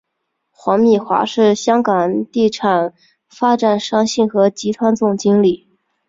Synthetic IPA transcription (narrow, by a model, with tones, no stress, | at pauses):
xwɑ˧˥ŋmi˨˩xwa̰˧˥ʂɻ̩˥˩ɕjɑ˥ŋkɑ˨˩ŋt̪i˥˩ʈ͡ʂʰɑ˨˩n | fa˥ʈ͡ʂa˨˩nʂɑ˥ŋɕi˥˩nxɤ˧˥t͡ɕi˧˥t̪ʰwa˥nt͡sʊ˥˩ŋt͡ɕi˥ŋli˨˩